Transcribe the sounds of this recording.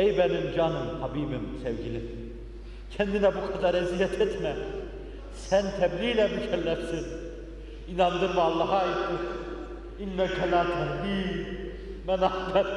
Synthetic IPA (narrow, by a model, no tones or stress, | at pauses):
ejbænind͡ʒɑnɯmhɑbiːbimsɛvɟili | cʰɛnd̪inæbukʰɑd̪ɑɾæzijæt̪ʰɛt̪mæ | sænt̪ʰæbliːlæbyʃʰæɾlæʃsin | inɑnd̪ɯɾmɯɑlˠːɑːɦɑjɯt̪ɯs | inːækʰælaːt̪ʰæhbiː | mænɑd̪ɑɾ